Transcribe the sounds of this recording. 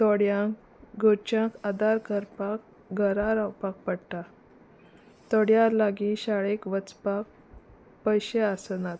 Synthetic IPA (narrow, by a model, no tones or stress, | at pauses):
t̪oɽjãk | ɡot͡ɕãkad̪aɾkəɾpak̚ | ɡʱəɾaɾawpak̚pəɽʈa | t̪ɔɽjalaɡiɕaɭekʋət͡spak̚ | pəjɕeasənat̪